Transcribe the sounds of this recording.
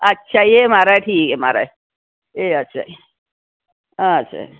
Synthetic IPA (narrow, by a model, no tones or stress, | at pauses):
ɐtːɕʰajemaːɾaeʈʰiːkema̰ːɾa̰e | eɐtːʃʰa̰e | ãətːɕʰa̰